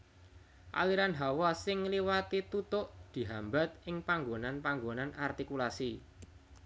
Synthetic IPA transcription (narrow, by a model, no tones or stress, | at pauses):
ʔa̰liɾanɦawasɪŋliwat̪it̪ut̪ʊʔd̪̥i̤ɦamba̤t̪̚ɪŋpaŋɡonanpaŋɡonanart̪ikulasi